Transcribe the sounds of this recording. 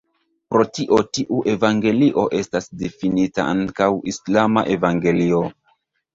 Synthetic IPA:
pɾo̞tiʔo̞tiʔuʔe̞vaŋɡe̞liʔo̞ʔe̞stasdefinita̰ʔaŋkawislamaʔe̞vaŋɡe̞lio̞

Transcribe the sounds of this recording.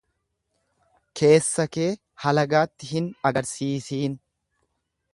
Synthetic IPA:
kʰe̞ːsːɐke̞ː | hɐlɐɡaːt̪ːɪɦɪnɐɡɐɾsiːsiːn

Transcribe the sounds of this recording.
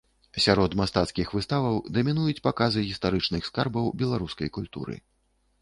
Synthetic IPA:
sʲaɾɔt̪mast̪at̪skʲixvɨst̪avɐwd̪ɐmʲinujut͡sʲpakazɨɣʲist̪aɾɨt͡ʂnɨxskarbɐwbʲɛlˠaɾuskɐjkulʲt̪ṵɾɨ̰

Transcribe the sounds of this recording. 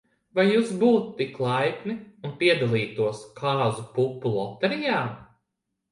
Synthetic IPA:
vajːuːsbuːt̪ːiklˠajpniunpiɛd̪alˠiːt̪uɔskʰaːzupupːulˠɔt̪ɛɾijaːm

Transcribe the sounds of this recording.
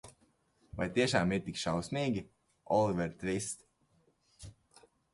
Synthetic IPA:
va̰jt̪iɛʃaːmiɾt̪ikʃawsniːɡʲi | ɔlˠivɛɾt̪ɾist̪

